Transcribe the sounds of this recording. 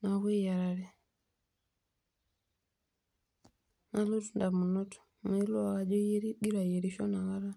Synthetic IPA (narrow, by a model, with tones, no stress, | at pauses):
na˨wɛ˦ja˨ɾa˨ɾɛ˨ | na˦lo˦tu˦nda˨mu˨nɔ˦tɔ̥˨ | mɛ˨i˦lɔ˦a˨ɣa˨d͡ʒɔ˦jɛ˦ɾi˦ɗi˦ɾa˨jɛ˨ɾi˨ʃɔ˦na˨ɣa˦ɾa˦